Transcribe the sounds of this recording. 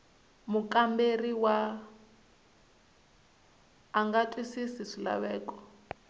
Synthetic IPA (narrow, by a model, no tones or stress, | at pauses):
mukʼamberiwa | ŋɡatʼwisisiʂila̰βɛːkʼɔ̥